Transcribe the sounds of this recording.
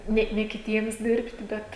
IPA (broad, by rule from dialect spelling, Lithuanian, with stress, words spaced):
ˈnʲɛ nʲɛ kʲɪˈtʲiɛms ˈdʲɪrʲpʲtʲɪ ˈbʲɛt